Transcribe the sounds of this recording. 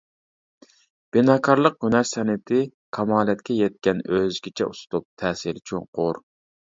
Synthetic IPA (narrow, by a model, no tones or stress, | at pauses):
b̥ɪnɑːkʰɑɾlˠəq̚ɡynæɾsɛnɪt̪ʰɪkʰɑmɑːlɛt̪̚kʲɛjɛt̪̚kʲɛnøzɡʲɪt͡ʃʰɛ̰usʊ̥t̪up̚t̪ʰɛːsiɾt͡ʃʰoŋqʊɾ